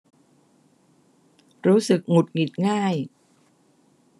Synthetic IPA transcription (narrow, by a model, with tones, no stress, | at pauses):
ɾuː˦˥sɯ˨˩k̚ŋu˨˩t̪̚ŋi˨˩t̪̚ŋaː˥˩j